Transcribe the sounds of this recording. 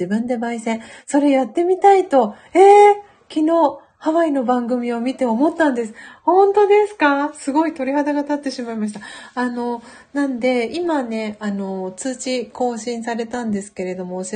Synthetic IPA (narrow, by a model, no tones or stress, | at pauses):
ibɯ̟̃nd̪e̞baisẽ̞ | so̞ɾe̞jat̪ːe̞mʲit̪ait̪o̞ | eː | kʲino̞ː | haβaino̞bãŋɡɯ̟mʲio̞mʲit̪e̞omo̞t̪ːãnd̪e̞sɨ̥hõ̞nt̪o̞d̪e̞sɨ̥kasɨɡo̞it̪o̞ɾʲihad̪aɡat̪at̪ːe̞ɕimaimaɕ̬i̥t̪aano̞ | nãnd̪e̞imane̞ano̞t͡sɨːt͡ɕiko̞ːɕĩɰ̃saɾe̞t̪ãnd̪e̞sɨ̥ke̞ɾe̞d̪o̞mo̞ɕ